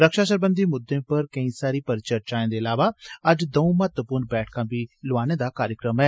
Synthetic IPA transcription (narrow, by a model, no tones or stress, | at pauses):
ɾəkʃaːʃəɾbənd̪iːmʊd̪ːẽːpəɾkəĩːsaːɾiːpəɾt͡ʃəɾt͡ʃaːẽːd̪eːəlaːʋaːəd͡ʒd̪əũːmət̪əpuːɾnbɛːʈ̚ʰkãːbiːloaːneːd̪aːkaːɾjəkɾəmɛː